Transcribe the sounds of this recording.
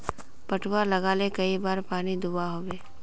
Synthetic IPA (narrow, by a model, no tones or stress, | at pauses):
pɐʈʰwalɐɣaːlekɐibaːɾpaːnid̪uaɦoːweː